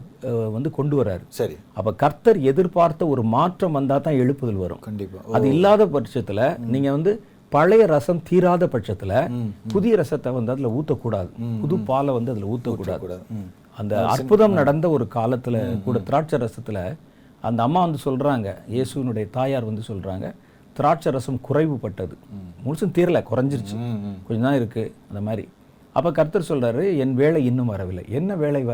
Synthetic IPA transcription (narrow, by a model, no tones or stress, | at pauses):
ʋɐnd̪ɯkɔɳɖɯʋɐɾa̰ːɾɯsɐɾ | ɐpːɐkɐɾt̪ɐɾɛðɪɾpaːɾt̪ːɐɔɾɯmaːʈrɐmʋɐnd̪aːt̪ãːɛɻɯpːɐðɐlʋɐɾɯ̰̃mkɐɳpːɐðɯɪlːaːðɐpɐʈt͡ʃɐt̪ːɪlɐniːŋɡɐʋɐnd̪ɯ | pɐɻɐjɐɾɐsɐmt̪iːɾaːðɐpɐʈt͡ʃɐt̪ːɪlɐpʊðɪjɐɾɐsɐt̪ːɐʋɐnd̪ɯɐðɪlɐuːt̪ːɐkuːɽa̰ːðɯpʊðɯpːaːlɐʋɐnd̪ɯɐðɪlɐuːt̪ːɐkːuːɽa̰ːðː | ɐnd̪ɐɐ̰ɾpɯðɐmnɐɽɐnd̪ɐɔɾɯkaːlɐt̪ːɪlɐkuːɽɐt̪ɪɾaːʈ̚t͡ʃɐɾɐsɐt̪ːɪlɐ | ɐ̰nd̪ɐːmːaːʋɐnd̪ɯsɔlɾaːŋɡɐjeːsɯʋɪnɯɽɐjɐt̪aːjaːɾʋɐnd̪ɯsɔlɾa̰ːŋɡɐ̰ | t̪ɪɾaːʈ̚t͡ʃɐɾɐsɐmkʊrɐɪʋɯpːɐʈːɐðɯmʊlsɐmt̪iːɾɐlɐkʊɾɐɲd͡ʒɪɾɯt͡ʃːɯkɔɲd͡ʒɐd̪ãːɪɾɯkːɯɐnd̪ɐmaːd̪ɾḭ | ɐpːɐkɐɾt̪ːɐɾsɔlraːɾɯɛnʋeːɭɐɪɪnːɯmʋɐɾɐʋɪlːɐɪʔɛnːɐʋeːɭɐɪʋɐ